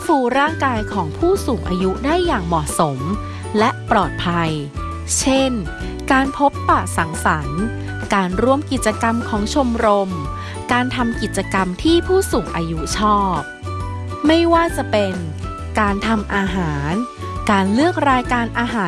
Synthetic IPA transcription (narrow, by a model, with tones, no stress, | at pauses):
fuː˧˩ɾaː˥˩ŋkaː˧jkʰɔː˩˦ŋpʰuː˥˩suː˨˩˦ŋʔaː˧ju˦˥daː˥˩jːaː˨˩ŋmɔː˨˩so˩˦m | lɛ˦˥ʔpɾɔː˨˩t̪̚pʰa˧j | t͡ɕʰe˥˩n | kaː˧npʰo˦˥pːa˨˩sa˩˦ŋsa˩˦n | kaː˧nɾu˧əmki˨˩t̪̚t͡ɕa˧ka˧mkʰɔː˩˦ŋt͡ɕʰo˧mɾo˧m | kaː˧nt̪ʰa˧mki˨˩t̪̚t͡ɕa˧ka˧mt̪ʰiː˥˩pʰuː˥˩suː˨˩ŋʔaː˧ju˦˥t͡ɕʰɔː˥˩p̚ | ma˥˩jwaː˥˩t͡ɕa˨˩pe˧n | kaː˧nt̪ʰa˧mʔaː˧ɦaː˩˦n | kaː˧nlɯ˥˩ək̚ɾaː˧jkaː˧nʔaː˧ɦaː˩˦